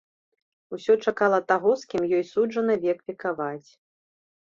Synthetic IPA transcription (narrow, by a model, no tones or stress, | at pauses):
usʲɔt͡ʂakalˠɐt̪aɣɔskʲimjɔjsud͡ʐʐɐnɨvʲɛkpʲikavat͡sʲ